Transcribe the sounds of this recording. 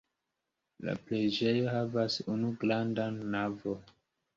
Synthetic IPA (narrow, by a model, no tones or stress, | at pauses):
la̰ple̞d͡ʒe̞jo̞ɦavasunuɡɾandanavo̞